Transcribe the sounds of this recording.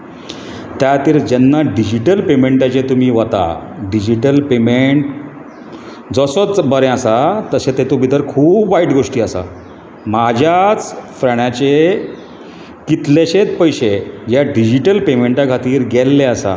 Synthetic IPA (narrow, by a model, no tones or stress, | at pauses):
t̪jat̪iːɾd͡ʑɛnːaɖid͡ʑiʈəlpemeɳʈat͡ɕet̪um̤iːʋat̪a̰ɖid͡ʑiʈəlpemeɳʈ | d͡zəsət͡sbəɾẽasat̪əset̪et̪ubit̪əɾkʰuːbʋaiʈɡoʂʈiːasa̰ | mad͡ʑʱjat͡sfɾaɽjat͡ɕe | kit̪leɕet͡s̪pəjɕed͡ʑjaɖid͡ʑiʈəlpemeɳʈakʰat̪iːɾɡɛlːeasa̰